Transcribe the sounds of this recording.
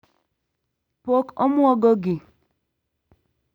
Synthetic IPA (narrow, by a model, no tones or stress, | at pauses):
pokɔ̰mʊɔɡɔɡi